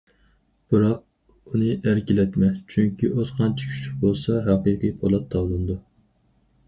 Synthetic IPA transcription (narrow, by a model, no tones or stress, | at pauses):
b̥ɨɾɑq̚ | unɨʔæɾkʲilɛt̪mɛt͡ʃʰyŋkʲiʔot̪χʰɑnt͡ʃʰi̥kʲʰy̥ʃlʰyk̚ʲbolˠsɑɦɑqɨqijpʰolˠɑt̪ʰːɑwlˠɨnɨd̪u